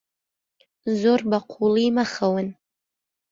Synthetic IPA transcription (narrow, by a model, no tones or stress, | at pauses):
zorbaqʷʰuliːmaχawən